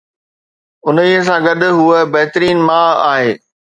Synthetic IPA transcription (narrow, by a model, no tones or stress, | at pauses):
ʊnəiəs̬ãɡɐɗʊ̆ɦuəbɐɦt̪ɾiːnmaːaːɦeː